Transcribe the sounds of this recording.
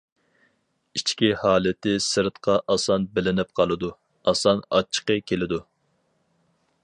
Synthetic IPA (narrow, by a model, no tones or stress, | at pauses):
it͡ʃkʲihɑːlˠɪt̪ɪsɨɾt̪qʰɑʔɑsɑnbɪlɪnɪp̚qʰɑlˠɨd̪u | ɑsɑnɑ̰t͡ʃʰːə̥qəkʲʰelɪd̪u